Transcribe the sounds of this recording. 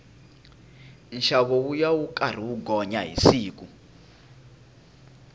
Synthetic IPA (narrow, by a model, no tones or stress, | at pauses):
nʃaβɔwujawukʼar̤iwuɡɔɲaɦḭsiːk̬ʼu